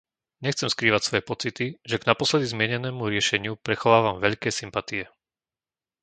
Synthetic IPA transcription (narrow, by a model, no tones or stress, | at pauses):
ɲɛxt͡sɛmskɾiːʋacsʋɔjɛpɔt͡sit̪iʒɛɡnapɔslɛd̪izmɪɛɲɛnɛːmuɾɪɛʃɛɲɪupɾɛxɔʋaːʋamʋɛʎkɛːsimpat̪iɛ